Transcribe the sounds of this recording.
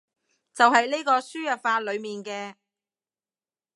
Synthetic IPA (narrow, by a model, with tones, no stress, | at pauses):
t͡sɐ˨wɦɐ˨jleː˥jkɔː˧syː˥jɐ˨p̚faː˧t̚lɵ˨˧ɥmiː˨nkɛː˧